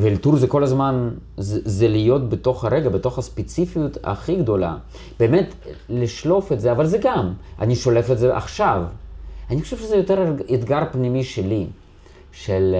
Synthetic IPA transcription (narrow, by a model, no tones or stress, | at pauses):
velt̪uɾzeko̞lazman | zzelijo̞t̪̚bet̪o̞χaɾeɡabet̪o̞χaspet͡sifijut̪a̰χiɡd̪o̞la̰ | b̥eːmet̪liʃlo̞fet̪zeavalzeɡama̰niʃolefetzeʔa̰χʃavaniχoʃevʃezɛjot̪eɾet̪ɡaɾpnimiʃeli | ʃel